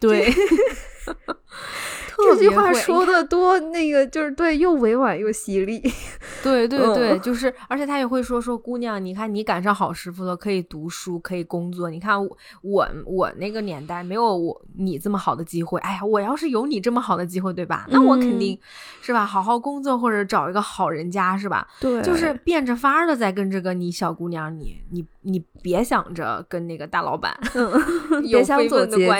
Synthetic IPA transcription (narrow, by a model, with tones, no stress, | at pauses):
t̪we˥˩ɪ | t̪ʰɔ˥˩˥t͡ɕi˥˧xwa˥˩˥ʂwɔ˥d̪ə˨t̪wɔ˥na˥˩ɡə˩t͡ɕjo˥˧ʊʂɻ̩˥˧t̪we˥˧ɪjo˥˩ʊwe˧˥ɪwa˨˩njo˥˩ʊɕi˧˥li˥˩t̪we˥˧ɪt̪̬we˥˧ɪt̪we˥˩ɪt͡ɕjo˥˧ʊʂ̬ɻ̩˥˩ə˞˧˥t͡ɕʰjɛ˨˩t̪ʰa˥jɛ˨˩xwe˥˩ɪʂ̬wɔ˥ʂwɔ˥ku˥njɑ˥˩ŋni˨˩kʰa˥˩nni˧˥ka˨˩nʂɑ˥˩ŋxɑ˨˩ʊʂɻ̩˧˥fu˧˩d̪ə˩kʰɤ˧˥i˨˩t̪u˧˥ʂu˥kʰɤ˧˥i˨˩kʊ˥ŋt͡swɔ˥˩ni˨˩kʰa˥˩n˧˥ | wɔ̰˨˩˦wɔ̰˨˩na˥˩ɡə˩njɛ˧˥nt̪a˥˩ɪme˧˥ɪjo˧˥ʊwɔ˨˩ni˨˩ʈ͡ʂɤ˥˩mə˩xɑ˨˩ʊd̪ə˦t͡ɕi˥xwe˥˩ɪʔa˥ɪja˨˩wɔ˨˩jɑ˥˧ʊʂɻ̩˥˩jo˧˥ʊni˨˩ʈ͡ʂɤ˥˩mə˩xɑ˨˩ʊd̪ə˦t͡ɕi˥xwe˥˧ɪt̪we˥˩ɪbɐ̰˩na˥˩wɔ˧˥kʰə˨˩nt̪i˥˩˧ŋ | ʂɻ̩˥˩bɐ˩xɑ˨˩ʊxɑ˥˩ʊkʊ˥ŋt͡swɔ˥˧xwɔ˥˩ʈ͡ʂɤ˨˩˥ʈ͡ʂɑ˨˩ʊi˧˥ɡə˧xɑ˨˩ʊɻə˧˥nt͡ɕja˥ʂɻ̩˥˩bɐ̰˩t̪wt͡ɕo˥˧ʊʂɻ̩˥˧pjɛ˥˩nʈ͡ʂə˨˩fa˥ə˥˧lə˨˩t͡sa˥˩ɪk̬ə˥nʈ͡ʂɤ˥˩ɡə˩ni˧˥ɕjɑ˨˩ʊku˧˥njɑ˧˥ŋnḭ˨˧˥ni˨˩˥ni˨˧˩pjɛ˧˥ɕjɑ̰˨˩ŋʈ͡ʂə̰˦kə˥nna˥˩ɡə˩t̪a˥˩lɑ̰˧˥ʊpa̰˨˩˦n | jɕjɑ˧˥˧ə˧a˥